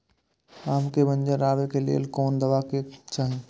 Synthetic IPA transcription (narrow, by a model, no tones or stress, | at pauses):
aːmkebə̃nd͡ʒəɾaːʋekelḛlkɔːnd̪əʋaket͡ʃaːɦẽ